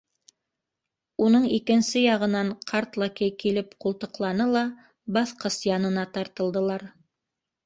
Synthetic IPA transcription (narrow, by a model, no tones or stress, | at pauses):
unɤɴikɘ̆nsɘjɑʁɤ̆nɑɴqʰɑɾt̪lˠɑkijkilɘpqulˠt̪ɤ̆qlˠɑnɤlˠɑ | bɑθqɤsjɑnɤ̆nɑt̪ɑɾt̪ɤ̆lˠd̪ɤ̆lˠɑɾ